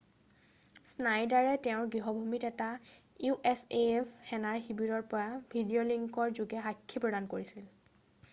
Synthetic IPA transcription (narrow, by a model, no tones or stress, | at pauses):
snajdaɹɛtɛʊ̃ɹɡɹiɦɔbʱumitɛta | juʔɛsepʰxɛnaɹxibiɹɔɹpɔɹabʱidioliŋkɔɹzuɡɛɦakʰːipɹɔdankoɹisil